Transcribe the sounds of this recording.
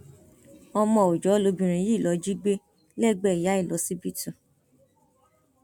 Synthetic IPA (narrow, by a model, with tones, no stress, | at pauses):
ɔ˧mɔ̃˧˨o˨d͡ʒɔ˨˦lo˧bĩ˨ɾ̃ĩ˧ji˦˨lɔ˨˧˦d͡ʒi˦ɡ͡be˦ | lɛ˦˨ɡ͡bɛ˦˨i˨ja˨˦i˦˨lɔ˨˧˦si˦bi˦tũ˦˨